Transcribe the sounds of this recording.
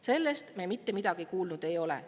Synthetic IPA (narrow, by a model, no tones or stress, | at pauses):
se̞lːest̪memit̪ːe̞mid̪̥ɑɡ̥ikuːlnud̪̥e̞jo̞le̞̰